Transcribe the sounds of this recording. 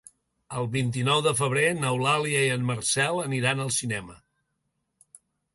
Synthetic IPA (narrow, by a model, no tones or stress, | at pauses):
əlˠβint̪̬inɔwðəfəβ̞ɾenəwlaliəiənmərsɛlˠəniɾanəlˠsinɛmə̰